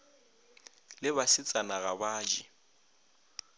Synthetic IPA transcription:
lɪβasɪt͡sʼanaɣabaːd͡ʒi

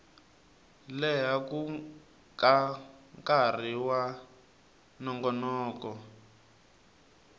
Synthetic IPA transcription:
lɛɦaku | kaŋkar̤iwa | nɔŋɡɔnɔːkɔ

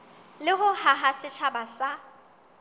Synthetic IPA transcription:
lɪɣʊhaɦasɪt͡ʃʰabasa

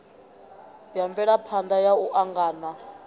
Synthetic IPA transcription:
jaɱvɛɺapʰand̪ajauʔaŋɡaːna

